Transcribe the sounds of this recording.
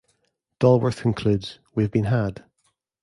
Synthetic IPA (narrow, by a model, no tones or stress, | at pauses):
d̥ɔlˠwə˞θkʰə̃nkʰl̥ʉdz̥wiəvbĩnɦad̥